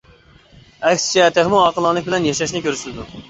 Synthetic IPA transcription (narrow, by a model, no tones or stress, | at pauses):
ɛkʲsɪ̥t͡ʃʰɛt̪ɪʁmuɑqəlˠɑnlˠək̚bɪlɛnjɛʃɛʃnɪkʲʰøɾsylɪd̪u